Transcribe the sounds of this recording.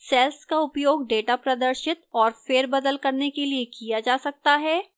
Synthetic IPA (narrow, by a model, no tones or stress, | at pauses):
sɛːlskaʊpjoːɡɖeːʈapɾɐd̪əɾʃɪt̪ɔːɾfeːɾbɐd̪əlkɐɾnekeliekijad͡ʒaːsɐk̚t̪aɦɛː